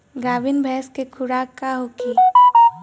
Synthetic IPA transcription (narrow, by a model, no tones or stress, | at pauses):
ɡaːʋɪnbʱɛːskekʰʊɽaːkːaɦoːki